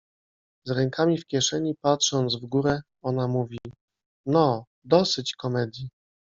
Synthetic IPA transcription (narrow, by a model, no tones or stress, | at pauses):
zɾɛŋkʰamʲifkʲjɛʂɛɲipatʂɔnd̪zvɡuɾɛ | ɔnamuvʲi | nɔ | d̪ɔsɘt͡ɕkɔmɛd̪ʲji